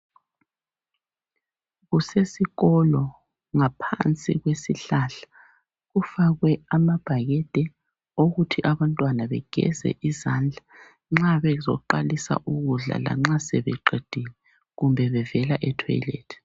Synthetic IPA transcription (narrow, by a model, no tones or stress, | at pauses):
ɣusesiɣɔlɔ | ŋapʰa̰nt͡sʼḭɣwesiɬaɬḁ | ɣufaɣwɛamab̥ʱaɣɛd̥ʱɛ | oɣutʰiʔaβantʼwanaβɛɡ̥ʱɛ̰zɛ̰ʔizand͡ɮʱa | ŋ͡ǁaβɛzɔǃalisa̰ʔuɣuɮa̰la̰ŋ͡ǁasɛβɛǃed̥ʱilɛ | ɣumbʱɛβɛvɛlaʔɛtʰɔ̰jlḛːtʰ